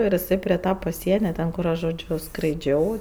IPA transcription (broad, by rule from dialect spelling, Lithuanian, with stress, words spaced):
ɪr ɪˈsɐɪ pʲrʲɪ ˈtɐ pɐˈsʲiɛnʲɛ ˈtʲɛn kʊr ˈɐʃ ʒoːˈd͡ʒʲʊ skrɐɪˈd͡ʒʲɛʊ